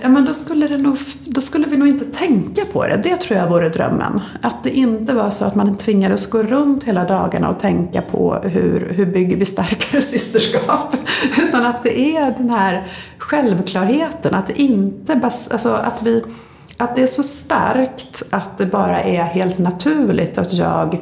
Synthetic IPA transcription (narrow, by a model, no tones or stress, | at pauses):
jɑːmɛnd̪ɔskɵlːəd̪ɛnuːɡ | d̪ɔskɵlːəvɪnuːɡɪnt̪ət̪ʰɛŋkapʰɔ̰d̪ɛ̰d̪ɛt̪ʰɾuːjavuːɾəd̪ɾœ̰mːə̰nat̪̚d̪ɛʔɪnt̪əvɑːɾʂɔat̪mant̪ʰvɪŋːad̪əsɡoːɾɵnt̪heːlad̪ɑːɡa̰ɳa̰ɔt̪ʰɛŋkapʰɔ̰ɦɵ̰ɾɦɵbʏɡːəɾvɪst̪aɾkaɾəsʏst̪əʂkɑːpʉ̟ːt̪anat̪̚d̪ɛʔæɖɛnɦæːɾ | ɧɛlvkʰlɑːɾheːt̪ənʔat̪̚d̪ɛʔɪnt̪əbasʔalsɔʔa̰t̪vɪ | ʔat̪̚d̪ɛæʂɔst̪a̰ɾkt̪at̪̚d̪ɛbɑːɾaʔɛɾɦeːlt̪nat̪ʰʉ̟ːɭɪ̰t̪at̪jɑ̰ːɡ